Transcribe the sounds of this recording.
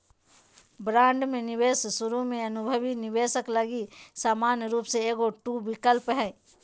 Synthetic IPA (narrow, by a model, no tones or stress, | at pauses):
bɾãːɳɖmẽnɪʋeːssʊɾumẽɐnʊbʱəʋinɪʋeːsəkləɡisaːmaːnjɾuːpseeːɡoʈuːbɪkəlpɦɛ̃